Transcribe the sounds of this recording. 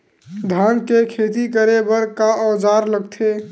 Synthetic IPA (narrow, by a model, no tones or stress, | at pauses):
d̪ʱankekʰet̪ikəɾebəɾkaəd͡ʒaɾləɡt̪ʰe